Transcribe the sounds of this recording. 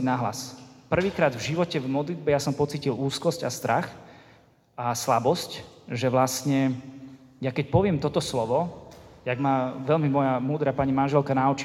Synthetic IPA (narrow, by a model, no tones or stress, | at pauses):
naɦla̰spr̩ʋiːkɾaːd̪vʒiʋɔcɛvmɔd̪lid̪̚bɛjasɔmpɔt͡siːciluːskɔscast̪ɾax | ʔaslabɔscʒɛʋlast̪ɲɛ | jakɛcpɔʋɪɛmt̪ɔt̪ɔslɔʋɔj̪aɡmaʋɛʎmimɔjamuːd̪ɾapaɲimanʒɛlkanaut͡ʃ